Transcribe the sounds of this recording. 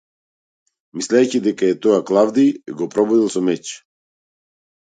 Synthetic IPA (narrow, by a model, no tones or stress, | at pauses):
mislʲɛjcid̪ɛkaɛt̪ɔaklˠavd̪iɡɔpɾɔbɔd̪ilˠsɔmɛt͡ʃ